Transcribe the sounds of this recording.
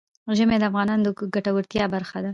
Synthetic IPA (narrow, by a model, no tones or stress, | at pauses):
ʒəmed̪əafɣɑnɑnd̪əɡaʈawəɾt̪jɑbaɾxad̪a